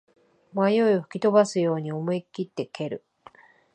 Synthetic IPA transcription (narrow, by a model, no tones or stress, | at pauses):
majo̞ioɸɯ̟̥kʲit̪o̞basɨjo̞ːɲ̟io̞moikʲit̪ːe̞kʰe̞ɾɯ̟